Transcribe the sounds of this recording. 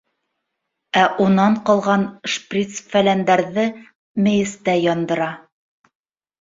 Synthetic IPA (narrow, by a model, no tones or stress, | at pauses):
æʔunɑɴqɑlˠʁɑnʃprʲit̪sfælænd̪æɾðɘ | mɘ̆jɘ̆st̪æjɒnd̪ɤ̆ɾɑ